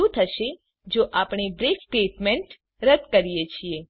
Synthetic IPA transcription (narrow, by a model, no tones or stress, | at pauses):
ũt̪ʰəʃe | d͡ʒoʔapɳ̃ebɾeksʈeʈmɛɳʈ | ɾəd̪kəɾijet͡ʃʰie